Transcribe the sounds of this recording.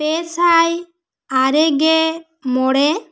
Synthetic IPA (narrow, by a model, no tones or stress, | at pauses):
pɛsaj | aɾɛɡɛ | mɔɽɛ